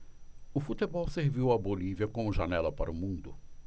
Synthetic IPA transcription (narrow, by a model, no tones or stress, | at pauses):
ʊfut̪ebɔwseɾviwɐboliviɐkõmʊʒanɛlɐpaɾʊmũnd̪ʊ